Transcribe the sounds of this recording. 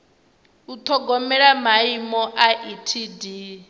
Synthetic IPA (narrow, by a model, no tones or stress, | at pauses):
ut̪ʰɔɡɔmɛɺamaimɔʔaʔitʰidi